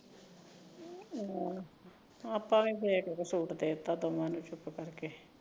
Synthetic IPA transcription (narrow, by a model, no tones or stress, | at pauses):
əpːãːʋĩːseːkekesuːʈd̪eːt̪ãːd̪oːmãːnũːt͡ʃʊpkəɾkeː